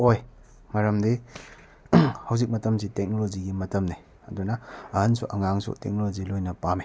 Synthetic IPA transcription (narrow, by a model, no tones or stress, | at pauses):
oj | ŋaɾɐmdi | hɐwzik̚mɐtɐmsitek̚noloziɡimɐtɐmni | ɐdunɐɐhɐnsṵʔɐŋaŋsṵtek̚nolozilojnɐpame